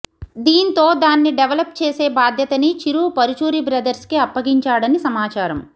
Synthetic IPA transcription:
d̪iːnt̪o̞ːd̪aːnːiɖeʋɐlɐpt͡ʃeːseːbaːd̪ʱjɐt̪ɐnit͡ʃiɾuːpɐɾut͡ʃuːɾibɾɐd̪ɐɾskiɐpːɐɡiɲt͡ʃaːɽɐnisɐmaːt͡ʃaːɾɐm

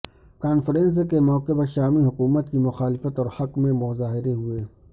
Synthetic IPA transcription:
kaːnfəɾẽːns̬kemɔːkepɐɾʃaːmiɦʊkuːmət̪kimʊxaːlɪfət̪ɔːɾhɐkmẽmʊzaːɦɪɾeɦueː

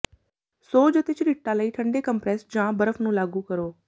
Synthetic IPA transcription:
soːd͡ʒət̪eːt͡ʃəɾiːʈːãːləiːʈʰəɳɖeːkəmpɾɛːsd͡ʒãːbəɾəfʰnũːlaːɡuːkəɾoː

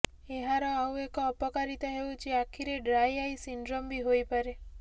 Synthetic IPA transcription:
eɦaɾoaũekɔəpəkaɾit̪aɦeʋũt͡ʃʰiakʰiɾeɖɾajaisiɳɖɾombʱiɦojpəɾe

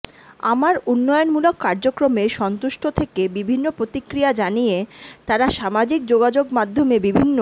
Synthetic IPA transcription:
a̰maɾunːɔjonmulokːaɾd͡ʑokɾomeʃɔnt̪uʃʈʰot̪ʰekebibʱinːopɾot̪ikɾijad͡ʑanijet̪aɾaʃamad͡ʑik̚d͡ʑoɡad͡ʑoɡmad̪ʱːomebibʱinːo

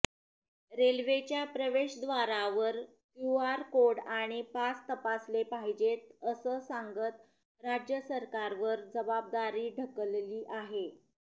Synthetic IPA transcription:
ɾelʋet͡ɕjapɾəʋeɕd̪ʋaɾaʋəɾ | kjuaɾkoɽaɽ̃ipast̪əpaslepaɦid͡ʑet̪əsəːsaŋɡət̪ | ɾad͡ʑjəsəɾkaɾʋəɾd͡zəbab̚d̪aɾiːɖʱəkəlliːʔaɦe

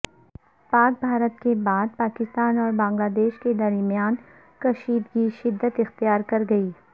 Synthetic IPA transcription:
paːk̚bʱaːɾət̪kebaːd̪̚paːkɪst̪aːnɔːɾbãːŋɡlaːd̪eːʃked̪ɐɾmijaːn | kɐʃiːd̪ɡiʃɪd̪ːət̪ɪxt̪ijaːɾkɐɾɡɐiː

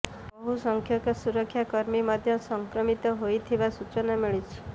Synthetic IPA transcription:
bɔɦusɔŋkʰjɔkɔsuɾɔkʰːjakɔɾmimad̪ʱjɔsɔŋkɾɔmit̪ɔɦojt̪ʰibasut͡ʃɔnamiɭit͡ʃʰi̥

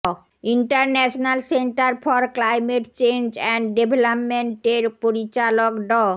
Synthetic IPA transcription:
iɳʈaɾnɛʃonalseɳʈaɾfʰɔɾklajmeʈt͡ɕend͡ʑɛɳɖɖebʱelapmeɳʈeɾpoɾit͡ɕalokɖɔ

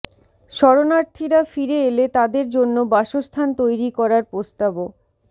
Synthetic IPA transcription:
ʃɔɾonaɾt̪ʰiɾafiɾeelet̪ad̪eɾd͡ʑonːobaʃost̪ʰant̪ojɾikɔɾaɾpɾost̪abo

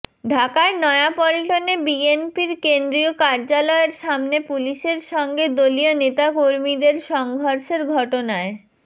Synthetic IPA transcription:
ɖʱakaenɔeapɔlʈonebienpiɾkend̪ɾiokaɾd͡ʑalɔeɾʃamnepuliʃeɾʃɔŋɡed̪olionet̪akoɾmid̪eɾʃɔŋɡʱoɾʃeɾɡʱɔʈonae

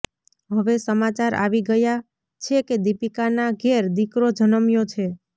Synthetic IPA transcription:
ɦəʋesəmat͡ʃaɾa̰ʋiɡəja | t͡ʃʰeked̪ipikanaɡʱeɾd̪ikɾod͡ʒʱənəmjot͡ʃʰe

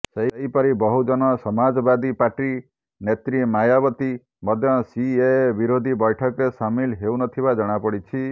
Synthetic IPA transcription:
seɦɦipɔɾibɔɦud͡ʒɔnɔsɔmad͡ʒɔbad̪ipaʈɾi | net̪ɾimajabɔt̪i | mɔd̪ʱjɔsiebiɾod̪ʱibɔjʈʰɔkɾesamilɦewnɔt̪ʰibad͡ʒɔɽ̃apɔɽit͡ʃʰi

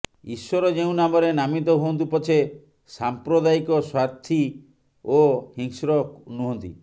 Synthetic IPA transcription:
iswɔɾɔd͡ʒeũnamɔɾenamit̪̬ɔɦuɦɔnt̪̬upɔt͡ʃʰe | sampɾɔd̪aikɔswaɾt̪ʰi | ohiŋsɾɔknuɦɔnt̪ḭ

